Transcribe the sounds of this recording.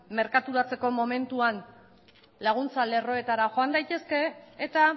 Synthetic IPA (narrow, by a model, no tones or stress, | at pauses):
me̞ɾkat̪uɾat͡se̞ko̞mo̞me̞nt̪uan | laɣ̞unt͡salero̞e̞t̪aɾaxo̞and̪ajt̪e̞ske̞ːt̪a